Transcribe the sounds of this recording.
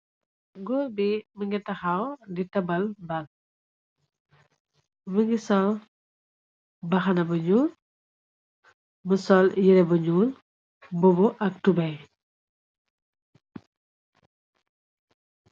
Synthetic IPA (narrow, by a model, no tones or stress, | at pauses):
ɡɔbiməŋɡitɐxawditɐbɐlbɐl | məŋɡisɔl | bɐxɐnɐbɐɲuːl | məsɔljiɾɛbɐɲuːl | bɔbɔʔɐk̚tubɛj